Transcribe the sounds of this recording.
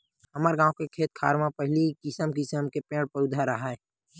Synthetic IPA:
ɦɐmaɾɡãːwkekʰeːt̪̚kʰa̰ːɾmãpɐɦɪlikɪsəmkɪsəmkepẽːɽpəʊd̪ʱaɾəɦaɛ

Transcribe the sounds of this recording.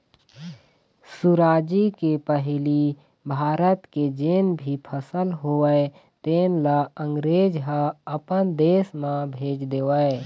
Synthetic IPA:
suɾaːd͡ʒikepəɦɪli | bʱaːɾət̪ked͡ʒeːnbʱipʰəsəlɦoəe | t̪eːnlaə̃ŋɡɾeːd͡ʒɦəəpənd̪eːsmãbʱeːd͡ʒd̪eːʋəe

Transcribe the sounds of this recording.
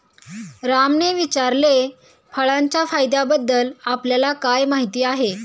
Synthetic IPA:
ɾamneʋit͡ɕaɾle | fʰəɭaɲt͡ɕjafajd̪abəd̪ːəlapljalakajmaɦit̪iːaɦe

